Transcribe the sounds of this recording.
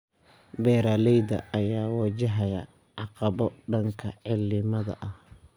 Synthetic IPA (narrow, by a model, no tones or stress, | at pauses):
bɛːɾaːlɛjd̪ɐ̰ːjaːwɐd͡ʒɐɦɐjɐ | ʕɑqɑβɔɖɐŋkʰɐʕɪlːɪmɐðɐ̰ʔɐh